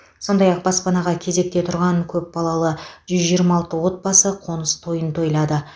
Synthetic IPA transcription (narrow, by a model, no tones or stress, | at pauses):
so̞nd̪ɑjɑq̚bɑspɑnɑʁɑkʲʰe̞ze̞k̚t̪e̞t̪ʰʊɾʁɑŋkʲʰɵp̚bɑlˠɑlˠəʒʏzʒijəɾmɑɑlˠt̪əwo̞t̪̚bɑsəqʰo̞nəst̪ʰo̞jənt̪ʰo̞jlˠɑd̪ə